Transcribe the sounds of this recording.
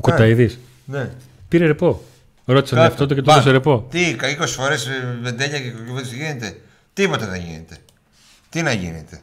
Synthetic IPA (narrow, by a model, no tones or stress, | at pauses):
kot̪ɐiðis | ne | piɾeɾepo̞ | ɾo̞t̪isɐɐft̪ot̪̬ocet̪ot̪os̬eɾepo̞t̪ikɐiko̞si̥fo̞ɾesvend̪eʎɐcekoket̪isʝinet̪e̞ | t̪ipo̞t̪ɐðḛ̃ʝḭnḛt̪e | t̪inɐʝḭnḛt̪e̞